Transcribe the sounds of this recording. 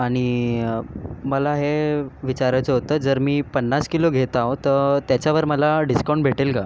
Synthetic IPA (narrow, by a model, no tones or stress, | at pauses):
aɽ̃i | məlaɦeʋit͡ɕaɾət͡səɦot̪əːd͡zəɾmiːpənːaskiloɡʱet̪aʋt̪ət̪jat͡ɕjaʋəɾməlaɖiskaw̃ɳʈbʱeʈilka